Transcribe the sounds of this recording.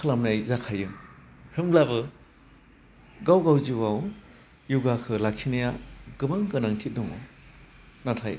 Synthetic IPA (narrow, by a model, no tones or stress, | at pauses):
kʰɯlamnajzakʰajɯŋ | hɯmlabɯ | ɡawɡawziwaw | juɡakʰɯlakʰinajaɡɯbaŋkɯnaŋtʰit̚dɔŋɔ | natʰaj